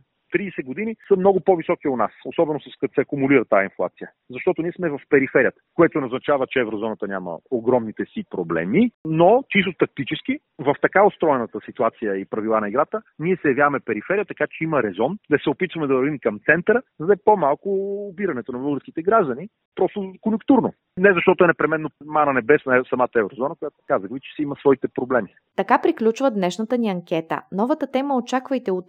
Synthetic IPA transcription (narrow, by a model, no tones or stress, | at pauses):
t̪ɾid̪ɛsɛd̪ɡod̪inisəmnɔɡʊpovisɔk̟iona̰sosɔbɛnosɐskɐsɛɐkumuliɾət̪ainflˠa̰t̪sijə | zɐʃt̪ɔt̪oniɛsmɛvɐfpɛɾifɛɾijət̪ə̥koɛt̪onɐznɐt͡ʃavət͡ʃɛɛvɾozɔnət̪ənʲamə̰oɡɾɔmnit̪ɛsipɾoblɛ̰minot͡ʃist̪ot̪ɐk̚t̪it͡ʃɛsk̟i | vɐft̪ɐkaot̪st̪ɾɔɛnət̪əsit̪uat̪sijəipɾɐvilˠanɐiɡɾat̪əniɛsɛjɐvjavɐmɛpɛɾifɛɾʲijət̪ɐkat͡ʃɛiməɾɛzɔnd̪ɐsɛopit̪vɐmɛd̪ɐvɐɾvimkɐmt̪sɛnt̪ɾəzɛpomalˠkʊːbiɾɐnɛt̪ʊnɐvəɡɾəskit̪ɛɡɾaʒd̪əni | pɾɔst̪ʊkonʲjʊkt̪uɾno | nɛzɐʃt̪ɔt̪oɛnɛpɾɛmɛnːomanɐnɛbɛsnɐɛsɐmat̪əɛvɾozɔnəkojat̪ʊkazəxvit͡ʃɛ̥simɐsvɔit̪ɛpɾoblɛmi | t̪ɐkapɾiklʲut͡ʃvəd̪nɛʃnət̪əniɐŋkʲɛt̪ə̰nɔvət̪ət̪ɛməot͡ʃakvɐjt̪ɛot̪